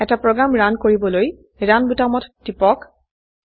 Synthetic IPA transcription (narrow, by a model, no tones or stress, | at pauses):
ɛtapɹɔɡɹamɹankoɹibɔloj | ɹanbutamɔtːipɔk